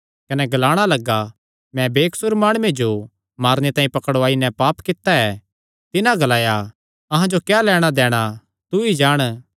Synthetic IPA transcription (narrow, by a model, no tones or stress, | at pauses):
kɐnɛɡɐlaːɽ̃alɐɡa | mɛ̃beːksʊɾmaːɽ̃ʊed͡ʒo | maːɾnet̪ãːĩpɐkəɽaːinɛ̃paːpkɪt̪ːaɛ | t̪ɪnãɡɐlaːja | ɐɦãd͡ʒokjaːlɛːɽ̃ad̪ɛːɽ̃a | t̪uid͡ʒaːɽ̃